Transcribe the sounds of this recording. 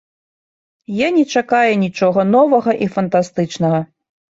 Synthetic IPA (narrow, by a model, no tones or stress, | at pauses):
janʲɛt͡ʂakajɛnʲit͡ʂɔɣɐnɔvɐɣɐʔifɐnt̪ast̪ɨt͡ʂnɐɣɐ